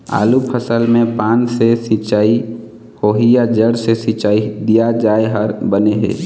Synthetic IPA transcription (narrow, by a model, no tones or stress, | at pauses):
a̰ːlupʰəsəlmẽpaːnsesit͡ʃaːi | hoːɦijad͡ʒəɽsesit͡ʃaːid̪ijad͡ʒaːeɦəɾbəneɦḛː